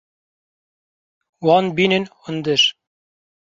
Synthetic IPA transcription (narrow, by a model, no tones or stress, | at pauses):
wɑnbinɘnŏnd̪ɘʃ